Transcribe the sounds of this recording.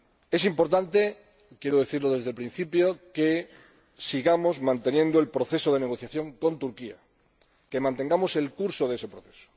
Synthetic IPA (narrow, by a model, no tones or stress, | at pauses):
e̞simpo̞ɾt̪ant̪e | kje̞ɾoð̞e̞θiɾloðe̞zð̞e̞lpɾĩn̟θipjoke | siɣamozmãnt̪e̞njẽ̞nd̪oe̞lpɾoθe̞soðe̞neɣ̞o̞θjaθjo̞ŋko̞nt̪uɾkia̰ | kemãnt̪e̞ŋɡamo̞se̞lkuɾsoðe̞se̞pɾoθe̥so̥